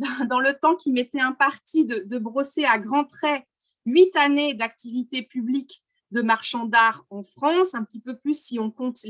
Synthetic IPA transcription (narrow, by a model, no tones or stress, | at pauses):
d̪ɑ̃lət̪ɑ̃kʲimet̪ɛɛ̃paʁt̪ʰid̪əd̪əbʁoseaɡʁɑ̃t̪χɛ | ɥit̪aned̪ak̚t̪ivit̪epyblik | d̪əmaʁʃɑ̃d̪aʁɑ̃fχɑ̃sɛ̃pət̪ipøplysːiɔ̃kɔ̃t̪